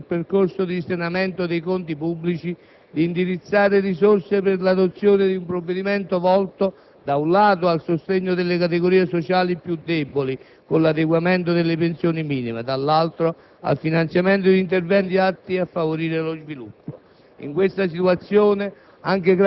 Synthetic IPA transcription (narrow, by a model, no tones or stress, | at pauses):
lperkorsod̪isenamɛnt̪od̪ejkont̪ipubːlit͡ʃi | d̪iːnd̪iɾit̪sːaːɾerisorsepɪrlad̪ot̪sːjoːnɪd̪iumpɾovːed̪imɛnt̪ovɔlt̪o | d̪aunlaːt̪oalsost̪eɲːod̪elːekat̪̬eɡoɾiːesot͡ʃaːlipjud̪ːɛboli | konlad̪eɡwamɛnt̪od̪elːepensjoːnimiːnimḛd̪alːalt̪ɾo | a̰lfinant̪sjament̪od̪int̪ervɛnt̪iat̪ːiafːavoɾiːɾelozvilupːo | ḭŋkwest̪as̬it̪uat̪sːjoːne | aŋk̟eɡɾ